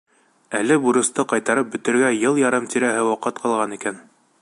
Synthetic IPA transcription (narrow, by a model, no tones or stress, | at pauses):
ælɘbuɾɤ̆st̪ɤqɑjt̪ɑɾɤp̚bɵ̆t̪ɘ̆ɾɡæjɤlˠjɑɾɤmt̪iɾæɦɘwɑqɤt̪qʰɑlˠʁɑnikæn